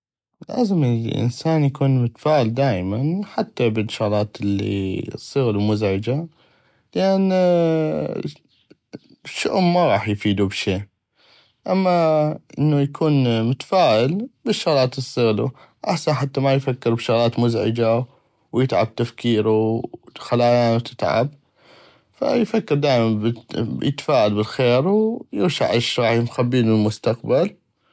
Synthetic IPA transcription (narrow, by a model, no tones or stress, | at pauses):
la̰ːzəmlʔɪ̰nsaːnjakuːnmʊt̪ḁfaːʔɪld̪aːjmanħat̪ːabɪnːʃaɣlɑːt̪ɪlːḭsˤːɨɣlumʊzʕɪd͡ʒa | lʔan | ʃːʊ̰ʔmːaɣɑːħjfiːd̪ubʃeː | ʔamːaʔɪnːujakʰuːnmʊt̪ḁfaːʔɪlbɪʃːʊɣlɑːt̪ɪsˤːɨɣlu | ʔaħsanħat̪ːamajfakːɪɾbʃʊɣlaːt̪mʊzʕɪ̰d͡ʒa | wjɪt̪ʕa̰b̚t̪afkiːɾuxalaːjaːnt̪ʰɪt̪ʕa̰b | fa̰jfakːɪɾˤd̪aːjmanbjɪ̰t̪ḁfaːʔalbɪlxeːɾwjɪɾʃaʕʔaʃɣɑːħimxabːiːlɪlmʊst̪aq̚bal